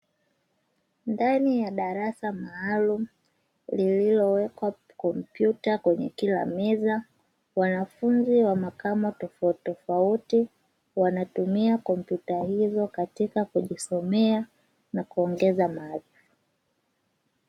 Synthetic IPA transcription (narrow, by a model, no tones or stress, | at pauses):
ndanijaɗaɾasamaːlum̩ | lililɔwɛkwa | kɔm̩pjutakwɛɲɛ̰kila̰mɛza | wanafunziwamakamɔtɔfatɔfauti | wanatumiakɔmpjutahizɔkatikakuʄisɔmɛa | nakuɔŋɡɛzamaði